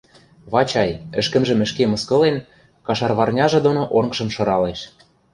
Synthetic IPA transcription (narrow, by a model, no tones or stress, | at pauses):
βɑt͡ɕɑjɘ̆ʃkə̆mʒə̆mɘ̆ʃkemɤ̆skɤ̆len | kɑʃɑrβɑrnʲɑʒɤ̆d̪onoʔonʃɤ̆mʃɤ̆ɾɑleʃ